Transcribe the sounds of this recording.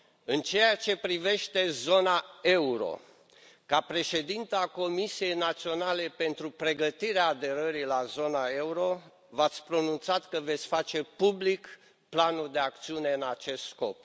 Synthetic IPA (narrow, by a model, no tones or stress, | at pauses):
ɨnt͡ʃe̞jat͡ʃe̞pɾive̞ʃt̪e̞zo̞nae̞uɾo̞̰ | kapɾe̞ʃe̞d̪int̪əako̞misije̞jnat̪sio̞nale̞pe̞nt̪ɾupɾe̞ɡət̪iɾeaːd̪e̞ɾəɾilazo̞nae̞uɾo̞ | vat̪sʲpɾo̞nunt̪sat̪kəve̞t̪sʲfat͡ʃe̞publik | planuld̪e̞ak̚t̪siune̞ɨnat͡ʃe̞st̪sko̞p̚